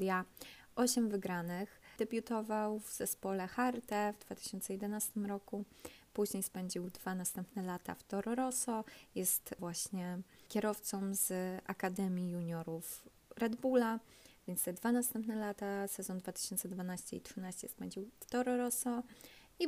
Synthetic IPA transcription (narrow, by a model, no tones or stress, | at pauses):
d̪ʲja | ɔɕɛmvɘɡɾanɘxd̪̥ɛbʲjut̪ɔvawvz̥ɛspɔlɛxaɾt̪ɛvd̪vat̪ɘ̥ɕɔnt̪sɛjɛd̪ɛnast̪ɘmɾɔkupuʑɲejspɛɲd͡ʑiwd̪vanast̪ɛmpnɛlat̪a̰ft̪ɔɾɔɾɔsɔjɛst̪vwaɕɲɛkʲɛɾɔft̪sɔmz̥ʔakad̪ɛmʲjijuɲɔɾuf | ɾɛd̪bula | vʲjɛntst̪ɛd̪vanast̪ɛmpnɛlat̪asɛzɔnd̪vat̪ɘ̥ɕɔnt̪sɛd̪vanaɕt͡ɕɛ̰itʂɨnaɕt͡ɕɛ̰spɛɲd͡ʑiwft̪ɔɾɔɾɔsɔ | i